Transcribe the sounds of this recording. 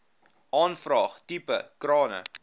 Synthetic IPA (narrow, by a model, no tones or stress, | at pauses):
ʔɑːnfrɑːχtipə̰krɑːnə̰